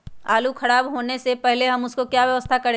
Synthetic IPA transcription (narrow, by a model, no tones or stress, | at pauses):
aːlukʰɐɽaːbɦoːnesepɛɦleɦɐmʊskokjaːʋjɐʋəst̪ʰakɐɾ